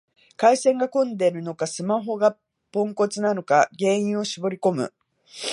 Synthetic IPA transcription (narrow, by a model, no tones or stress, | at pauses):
kaisẽ̞ŋɡakõnd̪e̞ɾɯ̟nokasɨmaɦo̞ɡa | põ̞ŋko̞t͡sɨnano̞kaɡe̞ːĩɰ̃o̞ɕibo̞ɾʲiko̞mɯ̟̰